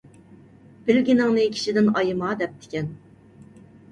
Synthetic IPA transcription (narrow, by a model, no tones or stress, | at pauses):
b̥ɪlɡʲinɪŋnɨkʲʰi̥ʃid̪ɪnɑjɨmɑd̪ɛp̚t̪ʰɪ̥kʲɛn